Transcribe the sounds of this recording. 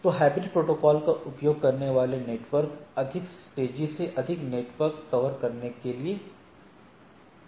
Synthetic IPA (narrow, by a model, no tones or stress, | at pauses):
t̪oːɦɛːbɪʈpɾoːʈoːkɔːlkaʔʊpjoːɡ̚kɐɾneʋaːleneːʈʋəɾkɐd̪ʱɪksʈeːd͡ʒiseʔɐd̪ʱɪkneːʈʋəɾkt̪ɐʋəɾkɐɾnekelie